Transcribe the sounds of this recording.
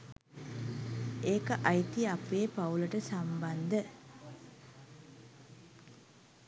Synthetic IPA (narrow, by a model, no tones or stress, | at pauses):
eːkəʔajt̪iapeːpauləʈəsamband̪ə